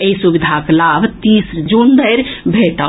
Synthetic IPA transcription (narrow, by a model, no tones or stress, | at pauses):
eisubid̪ʱaklaːbt̪iːsd͡ʒund̪əjɾbʱeːʈə